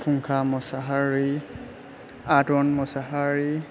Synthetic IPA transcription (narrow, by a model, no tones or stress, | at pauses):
pʰuŋkʰamɔsaɦaɹi | atɔnmɔsaɦaɹi